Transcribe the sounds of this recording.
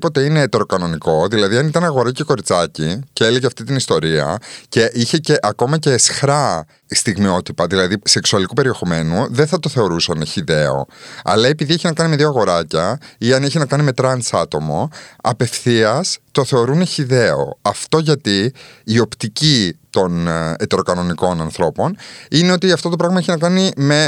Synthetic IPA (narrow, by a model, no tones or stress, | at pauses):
po̞t̪e̞ineet̪e̞ɾo̞kɐno̞niko̞ðilɐðiɐnit̪ɐnɐɣo̞ɾɐceko̞ɾit͡sɐciceeleʝeɐft̪it̪inist̪o̞ɾiɐ̰ce̞ʔiçe̞ce̞ʔɐko̞mɐce̞ːsxɾɐ | st̪iɣmio̞t̪ipɐðilɐðise̞ksuɐlikupe̞ɾie̞xo̞me̞nuðeθɐt̪o̞θe̞o̞ɾusɐneçiðe̞o̞̰ɐ̰lɐe̞piðieçinɐkɐnimeðioɐɣo̞ɾɐcɐiɐneçinɐkɐnime̞t̪ɾɐnsɐt̪o̞moɐpe̞fθiɐst̪o̞θe̞o̞ɾuneçiðe̞o̞̰ɐft̪o̞ʝɐt̪iːo̞pt̪icit̪o̞net̪e̞ɾo̞kɐno̞niko̞nɐnθɾo̞po̞nine̞o̞t̪iɐft̪o̞t̪o̞pɾɐɣmɐeçinɐkɐnime̞